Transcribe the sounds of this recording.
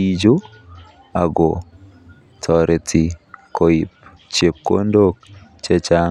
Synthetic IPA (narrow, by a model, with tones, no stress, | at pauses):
i˦d͡ʒo˦ | a˨ɡo | tʰɔ˨ɾʔɛ˨tʰi˨koi˨p̚ | t͡ʃe˨p̚ko̰˦ndok̚t͡ʃɛ˦t͡ʃa